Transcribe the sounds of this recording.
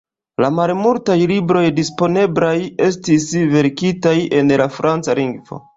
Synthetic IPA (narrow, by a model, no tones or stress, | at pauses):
lamalmultajlibɾo̞jdispo̞ne̞blaje̞stisve̞ɾkitaje̞nlafɾant͡saliŋɡvo̞̰